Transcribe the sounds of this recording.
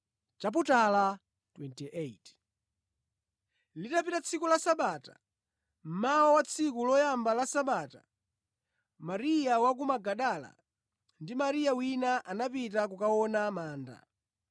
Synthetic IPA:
t͡ʃap̬utala | twɛntiʔet | litapitat͡sʰikulasaɓaːtḁ̰ | m̩mawawat͡sʰikulɔjambalasaɓaːta | maɾijawak̬umaɡaɗala̰ | ndimaɾijawinaʔanapit̬ak̬ukaɔnamaːnda̰

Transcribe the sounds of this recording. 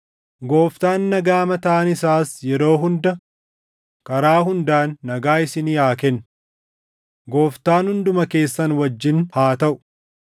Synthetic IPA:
ɡo̞ːft̪aːnːɐɡaːmɐt̪ɐːnɪsaːsjɛɾo̞ːɦʊnd̪ɐ | kɐɾaːɦʊnd̪aːnːɐɡaːɪsɪniaːkɛn | ɡo̞ːft̪aːnhʊnd̪ʊmɐke̞ːsːɐnwɐd͡ʒːɪnhaːt̪ɐʔʊ̥

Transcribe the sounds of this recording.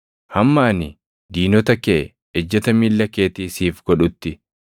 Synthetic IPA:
hɐmːaːnɪ | d̪iːnɔt̪ɐkeʔɛ | ɛd͡ʒːɐt̪ɐmiːlːɐkːeːt̪iːsiːfɡ̥ɔᶑʊt̪ːɪ

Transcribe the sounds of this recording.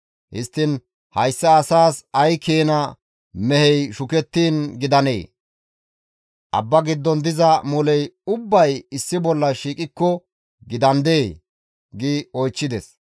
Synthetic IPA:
hɪst̪ːɪn | hɐjsːɐːsaːsɐjkeːnɐ | mɛhɛjʃʊkɛt̪ːiːnɡɪd̪ɐnḛː | ʔɐ̰bːɐɡɪd̪ːɔnd̪ɪzɐmʊlɛjʊbːɐjɪsːɪbɔlːɐʃiːkʼɪkːɔ | ɡɪd̪ɐnd̪eː | ɡɪɔjt͡ʃːɪd̪ɛs

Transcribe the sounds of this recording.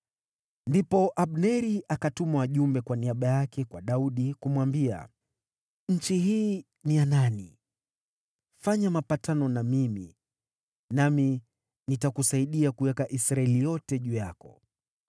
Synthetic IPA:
ndipɔʔaɓnɛɾiʔakatumawaʄumbɛkwaniaɓajakɛkwaɗauɗikumwambia̰ | ɲ̩t͡ʃiɦiː | niananḭ | faɲamapatanɔnamimḭ | nami | nitakusaiɗiakuwɛkaʔisɾaɛlijɔtɛʄuːjakɔ

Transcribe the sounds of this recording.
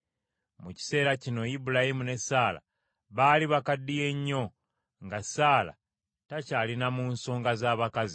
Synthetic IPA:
muci̥se̞ːɾacino̞jibulahimune̞saːla̰ | βaːliβakadːije̞ɲːo̞ | ŋɡasaːla̰ | tacaːlinamunso̞ːŋɡazaːβakazi

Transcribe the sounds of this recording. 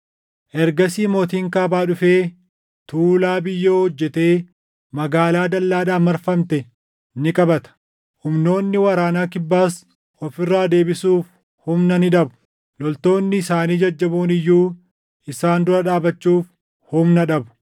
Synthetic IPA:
ʔɛɾɡɐsiːmoːt̪iːŋkaːbaːᶑʊfeː | t̪uːlaːbɪjːoːhɔd͡ʒːɛt̪e̞ː | mɐɡaːlaːd̪ɐlːaːᶑaːmɐɾfɐmt̪ɛ | nɪkʼɐbɐt̪ɐ̥ | hʊmno̞ːnːɪwɐɾaːnaːkɪbːaːs | ɔfɪrːaːd̪e̞ːbɪsuːf | hʊmnɐnɪᶑɐbʊ̥ | lɔlt̪o̞ːnːɪɪsaːniːd͡ʒɐd͡ʒːɐboːnɪjːuː | ɪsaːnd̪ʊɾɐᶑaːbɐt͡ʃːuːf | hʊmnɐᶑɐbʊ̥

